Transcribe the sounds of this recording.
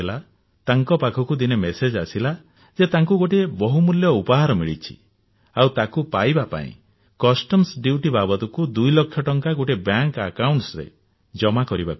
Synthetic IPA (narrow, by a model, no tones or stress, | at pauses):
ela | t̪aŋkɔpakʰɔkud̪inemesed͡ʒasila | d͡ʒet̪aŋkuɡoʈibɔɦumuljɔupɔɦaɾɔmiɭit͡ʃʰi̥̰ | awt̪akupajbapa̰ḭ̃ | kɔsʈɔmsɖiʈibabɔt̪ɔkud̪ujlɔkʰːjɔʈɔŋkaɡoʈibjaŋkakawɳʈsɾḛ | d͡ʒɔmakɔɾibap